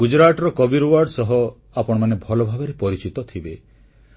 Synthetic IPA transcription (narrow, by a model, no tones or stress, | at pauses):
ud͡ʒɾaʈɔɾɔkɔbiɾwaɾɖsɔɦɔ | apɔɽ̃ɔmanebʱɔlɔbʱabɔɾepɔɾit͡ʃit̪ɔt̪ʰibe